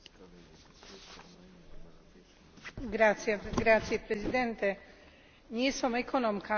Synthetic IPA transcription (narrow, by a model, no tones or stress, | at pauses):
ɡɾat̪sjeɡɾat̪sjepɾezid̪ɛnt̪ɛ | ɲisomekʰonomkʰa